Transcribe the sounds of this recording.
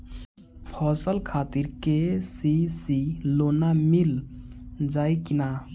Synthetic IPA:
pʰɔːsəlkʰaːt̪iɾkesisiloːnamil | d͡ʒaːikina

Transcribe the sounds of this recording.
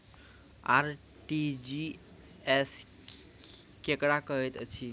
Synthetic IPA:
a̰ɾ | ʈid͡ʒi | es | kekɾakəɦɛt̪ət͡ʃʰi

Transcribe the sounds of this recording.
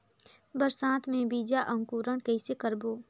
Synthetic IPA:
bəɾsãːt̪ʰmẽbiːd͡ʒaʔə̃ŋkuːɾəɳ̃kəɪsekəɾboː

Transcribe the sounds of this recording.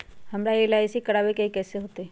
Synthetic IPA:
hɐmɾaeːlaesikɐɽaːʋekeikɛːseɦoːt̪e

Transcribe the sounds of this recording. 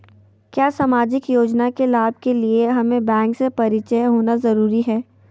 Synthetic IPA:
kjaːsaːmaːd͡ʒɪkjoːd͡ʒnakelaːb̚kelieɦɐmẽbɛ̃ːŋksepɐɾɪt͡ʃəjɦoːnazɐɾuːɾiɦɛː

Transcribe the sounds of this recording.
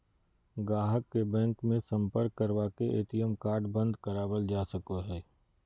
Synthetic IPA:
ɡaːɦəkːebɛ̃ːŋkmẽsɐ̃mpəɾkːəɾwaːkeʔḛːt̪ijəmkaːɾɖbɐ̃nd̪kəɾaːbəld͡ʒaːsəkoɦɛː

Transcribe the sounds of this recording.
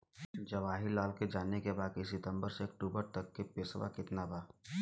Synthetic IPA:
d͡ʒɐʋaːɦɪlaːlked͡ʒaːnekebaːd̪̚kisɪt̪ə̃mbəɾseɐk̚ʈuːbəɾt̪ɐkːepɪsʋa̰kɪt̪nabaː

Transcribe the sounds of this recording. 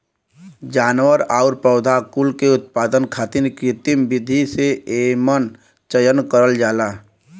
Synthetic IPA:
d͡ʒaːnʋəɾaːʊɾpəʊd̪ʱakʊlkeʊt̪̚paːd̪ənkʰaːt̪ɪnkɪt̪ɪmbɪd̪ʱiseeːmən | t͡ʃəjənkəɾəld͡ʒaːlaː

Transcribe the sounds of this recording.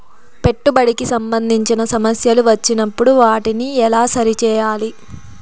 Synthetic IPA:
pe̞ʈːubɐɽikisɐmbɐnd̪ʱiɲt͡ʃinɐsɐmɐsjɐluʋɐt͡ʃːinɐpːuɽuʋaːʈiniɛlaːsɐɾit͡ʃɛːjaːli

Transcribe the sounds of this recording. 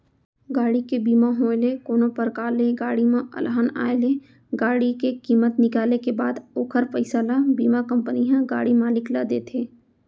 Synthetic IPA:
ɡaːɽikebiːmaɦõːɪlekoːnõpəɾkaːleɡaːɽimãʔɐ̰lɦaːna̰ːele | ɡaːɽikekiːmət̪nɪkaːlekebaːd̪oːkʰəɾfəɪsəlabiːmakə̃mpəniɦãɡa̰ːɽimaːlɪklad̪eːt̪ʰeː

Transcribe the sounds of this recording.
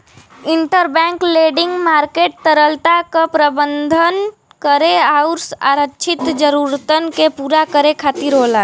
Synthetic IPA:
ɪɳʈəɾbɛ̃ːŋkleːɖɪŋɡmaːɾkeːʈ̚t̪əɾəlt̪akapɾəbənd̪ʱən | kəɾeaʊɾsa̰ɾəːt͡ʃʰɪt̪d͡ʒəɾuɾt̪ənkepuːɾakəɾekʰaːt̪iɾɦoːla

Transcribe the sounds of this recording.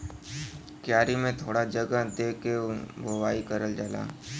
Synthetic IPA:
kjaːɾimẽt̪ʰoːɽad͡ʒɐɡəd̪eːkebʱowaːikɐɾəld͡ʒaːla̰ː

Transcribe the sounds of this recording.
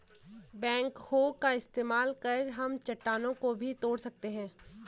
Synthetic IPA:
bɛ̃ːŋkhoːkaɪst̪eːmaːlkɐɾɦɐmt͡ʃɐʈːaːnõkobʱit̪oːɽsɐk̚t̪eɦɛ̃ː

